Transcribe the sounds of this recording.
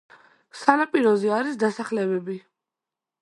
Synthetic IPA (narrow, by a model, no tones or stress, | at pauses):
sanapʼiɾɔzɛaɾisd̪asaχlɛbɛbi